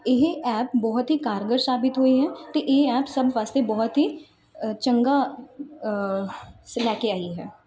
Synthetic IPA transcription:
ɪɦɛːpbɔːt̪ɦiːkaːɾɡəɾsaːbɪt̪ɦoːiɦɛːt̪eʔɪɦɛːpsəbʋaːst̪ebɔːʊt̪ɦiː | t͡ʃəŋɡaː | slɛːkeaːiɦɛː

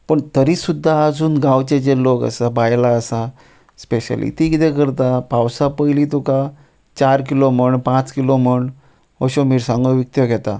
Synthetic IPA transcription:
pəɳt̪əɾiːsud̪ʱːaːd͡zuːnɡãwt͡ɕed͡ʑelokə̰sabajlaəsa | speɕə̰lḭt̪ikit̪ẽkəɾt̪apawsapəjliːt̪uka | t͡ɕaɾk̬ilom̤əɳpãt͡skilom̤əɳ | əɕomiːɾsãŋɡoʋik̚t̪jəɡʱɛt̪a

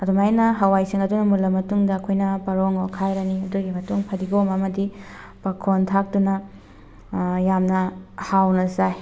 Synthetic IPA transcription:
ɐdumajnɐɦɐwajsiŋɐdunɐmulɐmɐtuŋdɐːkʰojnɐpɐɾoŋokʰajɾɐniɐduɡimɐtuŋpʰɐdiɡomɐmɐdi | pɐkʰontʰak̚dunɐ | jamnɐhawnɐzaj

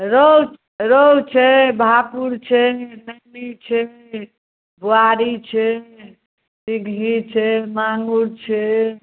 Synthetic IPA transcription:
ɾow | ɾot͡ʃʰɛbʱapuɾt͡ʃʰɛnənit͡ʃʰɛ | buaɾit͡ʃʰɛ | siɡʱit͡ʃʰɛmaŋɡuɾt͡ʃʰɛ

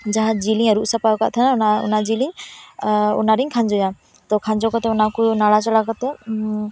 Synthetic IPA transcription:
d͡ʒaɦat̪̚d͡ʒiliŋaɾuʔsapaɔka̰ʔt̪ʰananaṵnad͡ʒiliŋ | ṵnaɾiŋkʰand͡ʒɔja | t̪ɔkʰand͡ʒɔkɔt̪ɛɔnakunaɽat͡ʃɔɽakɔt̪ɛ

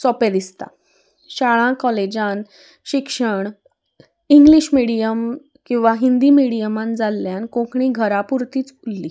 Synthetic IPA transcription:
sɔped̪ist̪a̰ | ɕaɭãkɔled͡ʑãn | ɕikʂəɳ | iŋɡliɕmiɽijəm | kĩw̃ʋaɦind̪iːmiɽijəmãnd͡zalːjãnkõkɳiːɡʱəɾapuɾt̪iːt͡sulːi

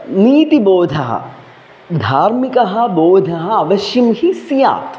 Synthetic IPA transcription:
niːt̪iboːd̪ʱɐɦɐ̰ | d̪ʱaːɾmikɐɦɐ̆boːd̪ʱɐɦɐɐʋɐʃjɐmhisija̰ːt̪

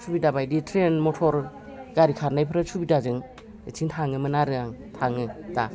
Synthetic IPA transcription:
sʰubidabajditʰɾenmɔtʰɔɾ | ɡaɾikʰaɾnajpʰɯɾɯsʰubidazɯŋ | et͡ʃʰiŋtʰaŋɯmɯnaɾɯaŋtʰaŋɯta

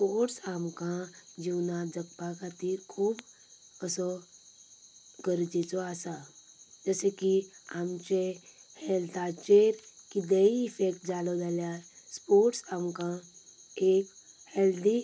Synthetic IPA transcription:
spoɾʈsamkãd͡ʑiwnad͡zəkpakʰat̪iːɾkʰuːb | əsɔ | ɡəɾd͡ʒet͡sɔasa | d͡zəsekiamt͡ɕehɛlt̪ʰat͡ʃeɾkid̪əiːfekʈ̚d͡zalɔd͡zaljaspoɾʈsamkãek | held̪i

